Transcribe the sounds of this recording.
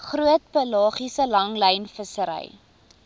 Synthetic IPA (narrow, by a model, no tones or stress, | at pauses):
χruət̚pəlɑːχisəlɐŋləjnfəsəɾɛ̰j